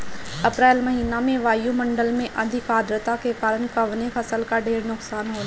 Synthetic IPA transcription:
ɐpɾɛːlmɐɦiːnamẽʋaːjumɐ̃ɳɖəlmẽʔɐd̪ʱɪkaːd̪ɾət̪akekaːɾənkɐʋnefʰɐsəlkaɖʱeːɾnʊksaːnɦoː

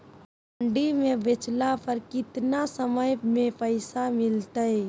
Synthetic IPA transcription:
pəɳɖimẽbet͡ʃlapəɾkɪt̪nasəməjmẽpəɪsamɪlt̪əj

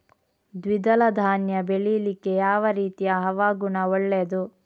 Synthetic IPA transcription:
d̪ʋid̪ɐlɐd̪ʱaːnjɐbeɭilikejaːʋɐɾiːt̪ijɐɦɐʋaːɡuɳɐɔɭːed̪u

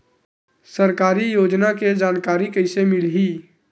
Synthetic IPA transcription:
səɾkaːɾijoːd͡ʒnaked͡ʒaːnkaːɾikəɪsemɪlɦiː

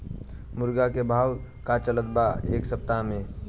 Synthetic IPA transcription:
muɾɡakebʱawkat͡ʃələt̪̚baeːksəp̚t̪ame

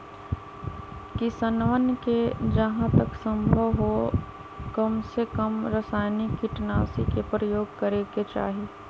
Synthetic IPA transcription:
kisənʋənked͡ʒɐɦãt̪ɐksə̃mbʱəʋɦo | kɐmsekəmɾəsaːjnikːiʈnaːsikepɾəjoːɡ̚kəɾeket͡ʃa̰ːɦi

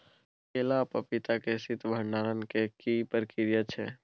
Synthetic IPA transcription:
keːlapəpɪt̪akesɪt̪bʱəɳɖaːɾənkekipəɾkɪɾjət͡ʃʰeː

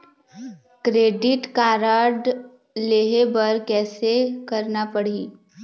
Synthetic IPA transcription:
kɾeːɖɪʈkaːɾaːɖ | leːɦebəɾkɛːsekɐɾnapɐɽ̤iː

